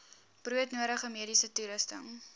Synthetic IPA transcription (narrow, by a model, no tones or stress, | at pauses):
b̥ruətnuəɾəχəmiəɾisətuləstəŋ